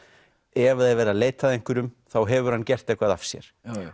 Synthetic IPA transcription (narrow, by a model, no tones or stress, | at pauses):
ɛvaðɛvɛːɾaleːjt̪aðejŋkʏɾʏmθawɦɛvʏɾ̥hanːcɛr̥t̪ejhkvaða̰fsjɛ̰ɾ̥